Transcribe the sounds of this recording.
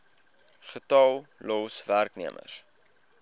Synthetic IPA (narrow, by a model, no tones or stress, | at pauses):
χətɑlˠlɔsværkniəmə̰r